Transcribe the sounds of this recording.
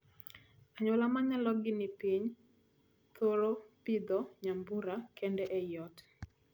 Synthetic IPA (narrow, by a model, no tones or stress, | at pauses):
aɲɔlamaɲalɔɡɪnɪpiɲ | t̪ʰoɾopid̪ɔɲambuɾakʰɛndɛʔɛjɔt